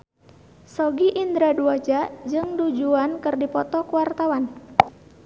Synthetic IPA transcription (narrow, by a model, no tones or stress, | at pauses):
sɔɡiʔind̪ɾaduad͡ʒad͡ʒɨŋdud͡ʒuankɨrdipɔt̪ɔkuwart̪awan